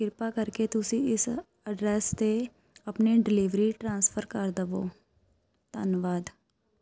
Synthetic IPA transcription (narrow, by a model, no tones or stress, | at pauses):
kɪɾpaːkəɾket̪ʊsĩːɪs | əɖɾɛːst̪e | əpniːɖɪliʋɾiːʈɾãːnspʰəɾkəɾd̪əʋo̰ː | t̪ə̰nʋaːd̪